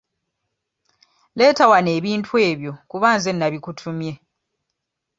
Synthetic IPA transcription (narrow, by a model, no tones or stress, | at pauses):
le̞ːtawane̞ːβiːntʰue̞ːβjo̞kuβaːnze̞nːaβikutʰumje̞